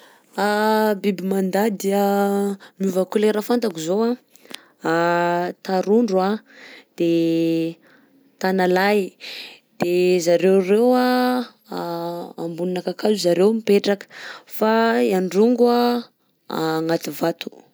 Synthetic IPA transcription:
abibimand̪ad̪eə | muvakuleɾəfant̪akizoa | t̪aɾuɳɖ͡ʐuad̪̥e | t̪analaj | d̪̥ezaɾewrewa | a̰mbuninakakazuzaɾewmipeʈ͡ʂakə̥faiaɳɖ͡ʐuŋɡua | ŋat̪ivat̪u̥

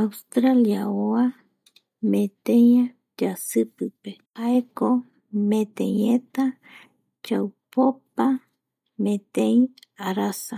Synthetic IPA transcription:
awst̪ɾaljaoa | mẽt̪eja | d͡ʒasɨpɨpehaeko | mẽt̪ḛ̃jet̪a | t͡ʃawpopa | mẽt̪ẽjĩaɾasa

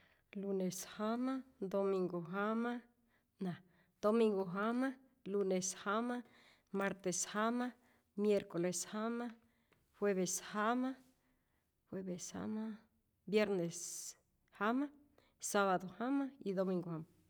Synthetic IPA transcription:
luneshamad̪omiŋɡoɦama | nã | d̪̥omiŋɡoɦama | luneshama | maɾt̪eshama | mjeɾkoleshama | hweβeshama | hweβesha̰ma | bjeɾnes | hama | saβaðohamaid̪omiŋɡohama

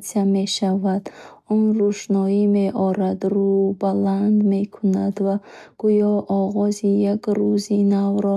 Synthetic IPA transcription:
siame̞ʃavad̪̥ | ɔnruʃnɔime̞ʔɔɾad̪ɾubaland̪me̞kʰunad̪vaɡ̥ujɔʔɔʁɔzijakɾuzinavɾɔ

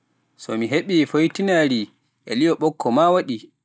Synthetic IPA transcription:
sɔmiɦeɓifojtinaɾi | ʔɛ̰lijɔɓɔkːɔmawaɗi

